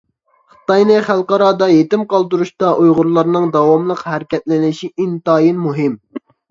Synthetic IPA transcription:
χɨ̥t̪ɑjnɨχælˠqɑɾɑːd̪ɑjet̪ɪmqɑlˠd̪uɾuʃt̪ɑʔujʁʊɾlˠɑɾnɨŋd̪ɑwɑmlˠəqɦæɾɪkʲɛt̪lɪnɪʃiʔint̪ɑːjinmuɦɪm

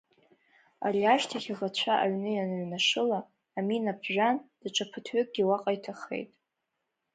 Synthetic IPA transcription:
a̰riaʃtʰaχʲaʁat͡ɕʷʰaʔa̰ɥnɨjanɥnaʂɨlaː | minapʰʒᶣand̥ɨʈ͡ʂʷʼʰapʰɨtʰɥʏkʼɡʲiwaqʼajtʰaχe̞̰jtʼ

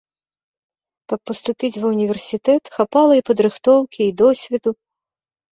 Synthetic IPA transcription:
kɐpːɐst̪upʲit͡sʲvunʲivʲɛrsʲit̪ɛt̪xapalˠɐipɐd̪ɾɨxt̪ɔwkʲiːd̪ɔsʲvʲid̪u

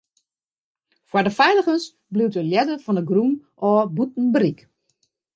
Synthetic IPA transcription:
fwadəfɛjləɣəns | bliwtəljɛdəfɔndəɡrumʔɔːbut̚n̩brik

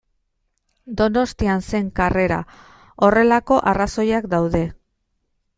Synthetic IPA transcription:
d̪o̞no̞st̪ianse̞ŋkare̞ɾa̰ | o̞re̞lako̞ʔaraso̞jakd̪awðe̞

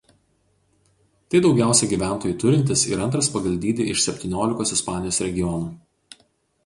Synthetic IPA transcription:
t̪ɐɪd̪ɒʊɡʲæˑʊsʲɛɡʲiːʋʲæˑnt̪oːjʊːˑt̪ʊɾʲɪnʲt̪ʲɪsɪ̰ɾɐnt̪ɾɐspɐɡɐlʲd̪ʲiːd̪ʲɪɪʃsʲɛpʲt̪ʲiːnʲoːlʲɪkoːsɪspɑːnʲɪjoːsɾʲɛɡʲɪjɔnuː

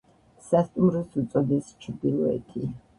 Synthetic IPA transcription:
sast̪ʼumɾɔsut̪sʼɔd̪ist͡ʃʰɾd̪ilˠɔɛ̰t̪ʰi

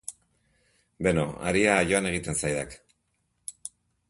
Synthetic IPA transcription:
be̞no̰a̰ɾiaːjo̞ane̞ɣit̪e̞nsajðak

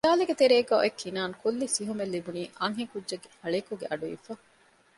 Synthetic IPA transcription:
daːleɡet̪eɾeːɡɔːʔekʰːinaːŋkulːisiɦumelːibuniːʔɐŋɦikudʒɐɡeɐɭeːkuɡeʔɐɖuḭfɐ

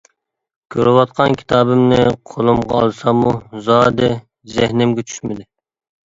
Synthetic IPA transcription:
kʲʰøɾɪwɑt̪̚qʰɑnkʲʰi̥t̪ʰɑːbɪmnɪqʰolˠɨmʁɑɑlˠsɑmuzɑːd̪ɪ | zɪhnɪmɡʲɛt͡ʃʰy̥ʃmɪd̪ɪ

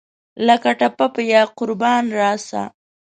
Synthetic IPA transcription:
lakaʈapapəjaqʊɾbɑnɾɑsa̰

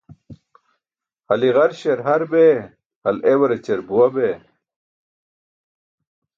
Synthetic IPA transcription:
hɐliʁɐɾɕeɾɦɐɾbe | hɐlewɐɾet͡ɕeɾbuwɐbe

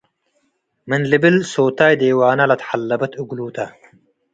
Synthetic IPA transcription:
minlibilsoːt̪aːjd̪eːwaːnɐlɐt̪ħalːɐbɐt̪ʰuɡluːt̪ʰɐ

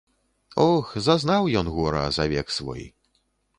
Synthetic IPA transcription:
ɔxzaznawjɔnɣɔɾɐ̰zavʲɛksvɔ̰j

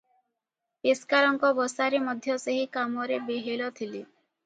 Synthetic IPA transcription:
peskaɾɔŋkɔbɔsaɾemɔd̪ʱjɔseɦikamɔɾebeɦelɔt̪ʰili

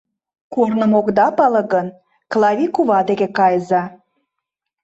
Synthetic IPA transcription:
kornə̆mokd̪ɑpɑlˠɤ̆ɣən | klˠɑvʲikuβɑd̪eɣekɑjzɑ

